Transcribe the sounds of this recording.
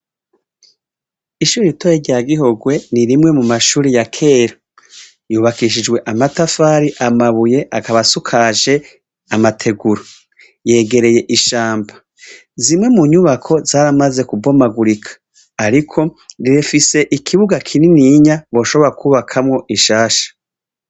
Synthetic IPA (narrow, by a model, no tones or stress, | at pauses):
iʃuːɾiɾitojeɾɟaːɡiɦo̞ɡwe̞niɾimŋe̞mumaʃuːɾijakʰe̞ːɾa | juːβakiʃ̬id͡ʒɡwe̞ʔamatafaːɾiʔamaβuje̞ʔakaβasukʰaʒe̞ | amatʰe̞ɡuɾo | je̞ːɡe̞ɾe̞je̞ʔiʃaːmba | zimŋe̞muɲuβakʰo̞zaːɾamaze̞kubo̞maɡuɾikʰḁː | ɾikʰo̞ɾiɾefise̞ʔikʰiβuɡakʰininiɲaβo̞ːʃo̞βo̞ɾakuːβakʰamŋo̞ʔiʃaːʃḁ